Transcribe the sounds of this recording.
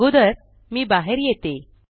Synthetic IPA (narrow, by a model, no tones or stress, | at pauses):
ud̪əɾ | miːbaɦeɾjet̪e